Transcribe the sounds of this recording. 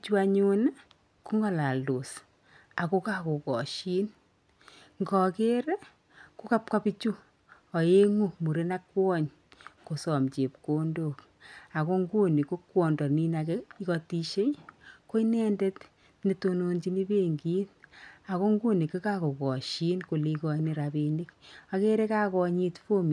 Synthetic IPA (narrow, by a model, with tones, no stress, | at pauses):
t͡ʃu˦a˦ɲu˦n | ku˦ŋɡɔ˦la˨lo˨s | a˨ko˦ka˦ko˨kɔ˨ʃi˦n | ŋɡɔ˨ke˦ɾ | ku˦ka˦p̚ka˦pi˦t͡ʃu˦ | ɔ˨je˦ŋu˦mu˨ɾe˦na˦kwɔ˦ɲ | ko˨sɔ˨mt͡ʃe˨pko˦ndo˨k | a˨ko˦ŋɡu˦ni˨ko˦kwɔ˨ndɔ˨ni˦nakeikɔ˧ti˦ʃe˦jko˦inɛ˦nde˦t | ni˨tono˨nt͡ʃi˦ni˦be˦ŋɡi˦na˨ko˦ŋɡu˦ni˨kːe˦ka˦ko˨kɔ˨ʃi˦nko˨li˦kɔ˦ini˨ɾabeni˦ka˨ke˦ɾe˦ka˦kɔ˧ɲi˦tfo˦mi˨